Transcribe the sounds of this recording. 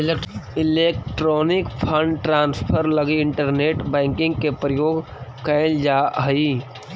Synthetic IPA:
lɪleːk̚ʈɾoːnɪkpʰə̃ɳɖʈɾaːnspʰəɾləɡiɪ̃ɳʈəɾneːʈbɛ̃ːŋkɪ̃ŋɡkepɾəjoːɡ | kɛːld͡ʒaːɦəi

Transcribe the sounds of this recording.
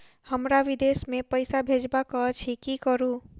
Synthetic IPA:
həmɾaʋid̪esmepəjsabʱed͡ʒbakət͡ʃʰikikəɾu

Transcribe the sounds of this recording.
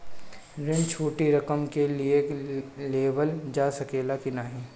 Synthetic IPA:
ɾɪ̃nt͡ʃʰuːʈiɾɐkəmkelieleːʋəld͡ʒaːsɐkeːlakinaːɦĩː

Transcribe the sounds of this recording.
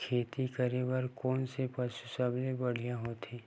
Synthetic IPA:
kʰeːt̪ikəɾebəɾkɔːnsepɐʃusablebɐɽ̤ijãɦoːt̪ʰeː

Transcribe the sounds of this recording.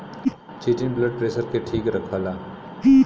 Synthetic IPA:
t͡ʃiːʈɪnbləɖ̚ʈɾeːsəɾkeʈʰiːkɾɐkʰʋaːlaː

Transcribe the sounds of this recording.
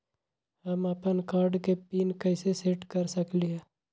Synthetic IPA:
ɦəmɐpənkaːɾɖkepiːnkɛːseseʈkəɾsəkliɦɛː

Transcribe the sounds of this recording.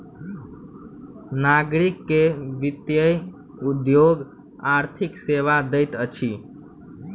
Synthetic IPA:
naɡɾikːeʋit̪jəj | ud̪joɡ | aɾt̪ʰikseʋad̪əjt̪ət͡ʃʰi

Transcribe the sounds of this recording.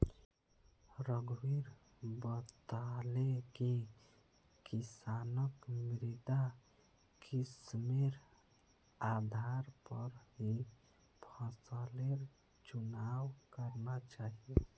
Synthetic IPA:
ɾəɡwiɾ | bət̪aleki | kisanəkmɾid̪a | kʰismeɾ | ad̪ʱaɾpəɾɦi | pʰəsəleɾ | t͡ʃunawkəɾnat͡ʃaɦie

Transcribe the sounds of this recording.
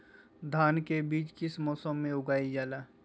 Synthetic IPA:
d̪ʱaːnkebiːt͡ʃkɪsmɔːsəmːẽʊɡaːid͡ʒaːlaː

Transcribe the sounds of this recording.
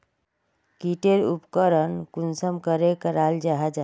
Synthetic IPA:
kiʈeɾupkəɾənkunsəmkəɾekəɾald͡ʒaɦɛd͡ʒa

